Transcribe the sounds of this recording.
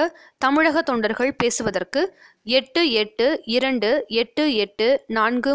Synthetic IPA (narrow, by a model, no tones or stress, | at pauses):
ɐ | t̪ɐmɪɻɐɣɐt̪ːɔɳɖɐɾɣɐɭpeːsɯʋɐðɐrkɯ | ɛʈːɯɛʈːɯɪɾɐɳɖɯɛʈːɯɛʈːɯnaːnɡɯ